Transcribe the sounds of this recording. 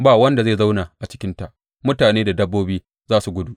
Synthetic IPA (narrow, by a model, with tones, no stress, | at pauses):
baː˦˨wɐ˦nda˨zeː˦˨za˦wna˨ʔa˨t͡ʃɪ̥˦kʲɪ˦nta˨ʔ | mʊ˦taː˨neː˦da˨dɐ˦bːoː˦biː˦ | zaː˦su˨ɡʷʊ˦du˦˨ʔ